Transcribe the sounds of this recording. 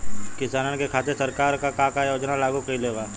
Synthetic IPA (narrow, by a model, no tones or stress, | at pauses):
kɪsaːnənkekʰaːt̪̬eɾsɐɾkaːɾkakãːkajoːd͡ʒnalaːɡukɐileːʋaː